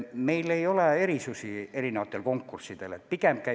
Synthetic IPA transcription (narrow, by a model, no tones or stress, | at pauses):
me̞jle̞jo̞lee̞ɾisusie̞ɾinevɑt̪ːˑelko̞ŋkːursːid̪̥elet̪̚pikemp̚kæ